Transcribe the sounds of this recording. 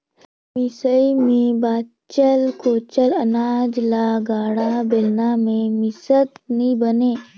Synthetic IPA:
misəimẽbaː | t͡ʃəlkoːt͡ʃəlɐnaːd͡ʒlaɡaːɽabɪlnamẽmisət̪nĩbəneː

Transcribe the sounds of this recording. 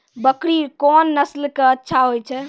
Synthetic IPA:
bəkɽikɔnːəslkeətːʃʰaɦojt͡ʃʰɛ

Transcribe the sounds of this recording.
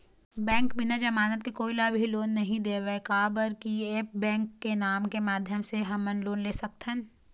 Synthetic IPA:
bɛ̃ːŋkbɪnad͡ʒɐmaːnət̪̚kikoːilaːbʱiloːnːɐɦĩd̪eːʋekaːbəɾkieːp̚bɛ̃ːŋkːenaːmkemaːd̪ʱjəmseɦɐmənloːnleːsɐk̚t̪ʰən

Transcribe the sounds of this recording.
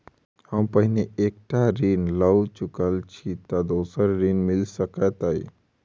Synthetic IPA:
həmpəɦneekʈaɾinləwt͡ʃukəlt͡ʃʰit̪ɔd̪oːsəɾɾinmilsəkət̪əi

